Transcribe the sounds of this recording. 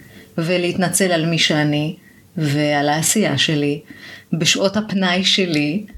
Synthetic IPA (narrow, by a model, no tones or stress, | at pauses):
veleit̪nat͡se̞lalmiʃeani | vealaːsija̰ʃe̞libeʃʔo̞thapnajʃeli